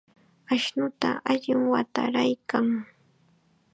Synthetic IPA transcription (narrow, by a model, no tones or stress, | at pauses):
aʃnʊt̪aʔaʎɪŋwat̪a̰ɾajkaŋ